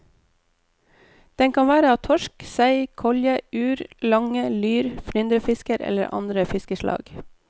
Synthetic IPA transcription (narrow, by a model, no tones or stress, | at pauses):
d̪̥ɛŋkʰɑnʋæːɾəɑːt̪ʰɔʃksæɪkʰɔljəʉːɾlɑŋəlyːɾfɾʏnd̪ɾəfɪskəɾʔɛ̰ləɾʔɑ̰nd̪ɾəfɪskəʃlʔɑ̰ːɡ